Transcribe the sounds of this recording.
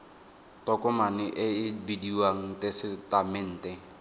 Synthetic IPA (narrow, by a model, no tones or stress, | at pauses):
tɔkʼʊmanɪʔɪɪbidiwaŋ̩tɛsɪtamɪn̩ːtɛŋ̩